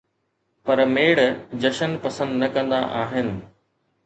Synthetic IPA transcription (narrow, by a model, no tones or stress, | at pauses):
pɐɾmeːɽd͡ʑɐʃənpɐsə̃nd̪nɐkɐ̃nd̪aʔaːɦɪnɪ̆